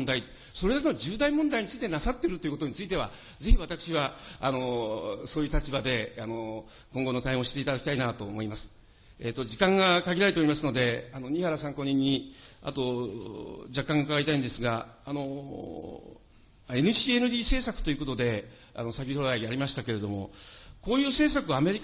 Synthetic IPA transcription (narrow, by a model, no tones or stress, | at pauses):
nd̪ai | so̞ɾed̪akenod͡ʑɨːd̪aimõnd̪aiɲ̟it͡sɨit̪e̞nasat̪ːeɾɯt̪o̞jɯ̟ko̞t̪oɲ̟it͡sɨit̪̬e̞β̞a̰ | ze̞çiβat̪akɯ̟̥ɕiβaano̞soːjɯ̟ːt̪at͡ɕibad̪e̞ano̞ | kõ̞ŋɡo̞no̞t̪aẽɕi̥t̪e̞it̪ad̪aki̥t̪ainat̪o̞ːmo̞imasɨ̥ | et̪ːo̞d͡ʑikãŋɡakaɡʲiɾaet̪eoimasɨno̞d̪e̞ano̞ɲ̟ihaɾasãŋko̞ːɲ̟ĩɲ̟ːia̰t̪o̞ | d͡ʑakːãŋɡakaɡaɾit̪aĩnd̪e̞sɨɡaano̞ | e̞nɯ̟ɕiːenɯ̟d̪ʲiːse̞ːsakɯ̥t̪o̞iɯ̟ko̞t̪o̞d̪e̞ | a̰no̞sakʲit̪oɾaiaɾʲimaɕi̥t̪ake̞ɾe̞d̪o̞mo̞̰ko̞ːjɯ̟ːse̞ːsakɯame̞ɾʲik